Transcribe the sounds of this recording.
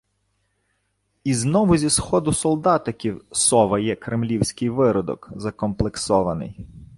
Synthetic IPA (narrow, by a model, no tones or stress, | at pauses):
iznɔʋʊzʲisxɔd̪ʊsɔlˠd̪ɑt̪ɪkʲiwsɔʋɐjɛkɾemlʲiwsʲkɪjʋɪɾɔd̪ɔ̰kzɐkɔmplˠeksɔʋɐnɪ̰j